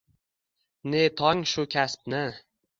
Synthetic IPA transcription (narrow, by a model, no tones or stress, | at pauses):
net̪ʰɒŋʃʊkʲʰasp̚nɪ